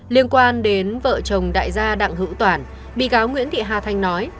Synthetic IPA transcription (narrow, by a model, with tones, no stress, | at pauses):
li˧ənkwaː˧nɗe˨˦nvə̰ː˧˨t͡ɕə˨˩wŋ͡mɗa̰ː˧˨jzaː˧ɗa̰ː˧˨ŋɦɨ̰˧˥wt̪waː˧˩n | ɓḭ˧˨kaː˨˦wŋwḭ˧˥ənt̪ḭ˧˨ɦaː˧˩t̪ʰa˧jŋ̟nɔ˨˦j